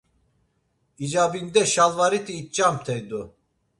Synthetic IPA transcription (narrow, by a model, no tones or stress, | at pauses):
id͡ʒabind̪ɛʃalˠvaɾit̪ʰiːt̪̚t͡ʃamt̪ʰɛjd̪u